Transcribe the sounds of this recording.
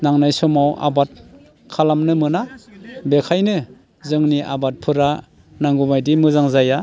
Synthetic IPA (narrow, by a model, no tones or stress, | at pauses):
naŋnajsɔmawʔa̰bat̚ | kʰalamnɯmɯnabekʰajnɯ | zɯŋniʔabat̚pʰɯɾa | naŋɡumajdimɯzaŋzaja